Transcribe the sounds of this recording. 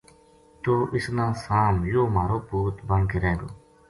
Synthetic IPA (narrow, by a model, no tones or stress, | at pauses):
t̪oːʔɪsnãːsaːmjoːmaːɾoːpuːt̪bəŋkeːɾeːɡo̰ː